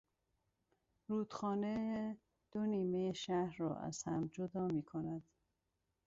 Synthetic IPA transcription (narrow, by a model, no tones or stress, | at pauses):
ɾuːd̪̥xɒːnee | d̪̥oniːmejeʃæhɾɒ̰ːʔæ̰z̥hæmd͡ʒod̪ɒːmiːkʰonæd̪̥